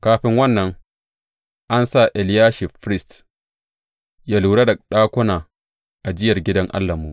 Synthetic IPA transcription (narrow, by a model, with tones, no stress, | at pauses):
kaː˦ɸɪ˦ŋwɐ˦nːɐ˨ŋ | ʔa˦nsa˦˨ʔɛ˨ljaː˦ʃi˨fɾɪ˦st | jaː˦luː˨ɽa˦dɐ˨ɗaː˦kʷʊ˦naː˨ | ʔa˨d͡ʒɪ˦jɐ˨rɡʲɪ˦dɐ˦ŋʔa̰˦lːa˨muː˦